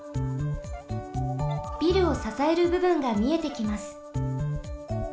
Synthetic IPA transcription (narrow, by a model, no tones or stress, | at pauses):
b̥ʲiɾɯ̟o̞sasae̞ɾɯ̟bɯ̟bɯ̟̃ŋɡamʲie̞t̪e̞kʲimasɨ̥